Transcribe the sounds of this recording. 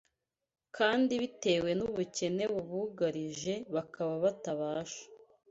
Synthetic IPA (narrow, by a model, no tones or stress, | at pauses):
kʰaːndiβite̞ːwe̞nuβuce̞ne̞βuβuɡaɾiʒe̞βakaβaβataβaːʃḁ